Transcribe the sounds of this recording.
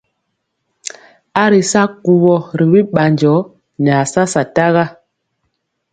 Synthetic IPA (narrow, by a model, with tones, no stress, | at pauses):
a˦ɾi˨sa˦ku˨βɔ˦ɾi˨bi˦ɓa˨nd͡ʒɔ˨˦ | ɲ˨a˨sa˦sa˨ta˦ɣa˦